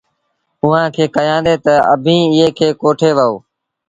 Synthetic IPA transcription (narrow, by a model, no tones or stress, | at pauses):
ʊʋãːkʰeːkəjãːnd̪eːt̪əəbʱĩːɪɦeːkʰeːkoːʈʰeːʋəoː